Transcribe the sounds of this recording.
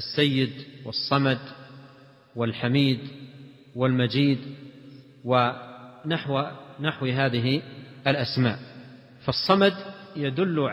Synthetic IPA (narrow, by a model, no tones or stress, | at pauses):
asːajːɪd̪wɨsˤːɑmad̪ | wɪlħamiːd̪ | wɪlmad͡ʒiːd̪ | wɪnaħwnaħwɦaːðɪɦɪɪlʔasma̰ːʔ | fɑsˤːɑmad̪jad̪ʊlːʕ